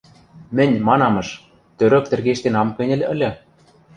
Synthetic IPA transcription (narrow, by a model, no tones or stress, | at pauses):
mɘ̆nʲmɑnɑmɤ̆ʃ | t̪øɾø̆k̚t̪ɘ̆rɣeʃt̪enɑmkɘ̆nʲɘ̆lʲɘ̆lʲɘ̆